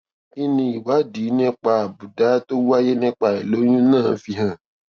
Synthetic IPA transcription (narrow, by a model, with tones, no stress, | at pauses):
i˦nĩ˧i˨wa˨˦diː˨˦nɛ̃˦k͡pa˧a˨bu˨da˨˦to˦wu˦a˦je˦nɛ̃˦k͡pa˧e˨lo˨˦ɲũ˦nãː˦˨fi˧ɦã˨